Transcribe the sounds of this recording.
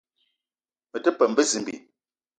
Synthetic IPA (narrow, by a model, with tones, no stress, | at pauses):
mə˨tə˦pə˨m˦bə˦zi˨m˨bḭ˨